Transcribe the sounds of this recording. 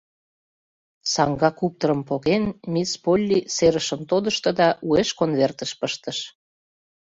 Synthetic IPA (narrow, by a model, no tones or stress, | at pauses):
sɑŋɡɑkup̚t̪oɾəmpoɣenmispolʲːiseɾəʃəmt̪od̪əʃt̪ɤ̆d̪ɑʔueʃkonβert̪əʃpəʃt̪ə̆ʃ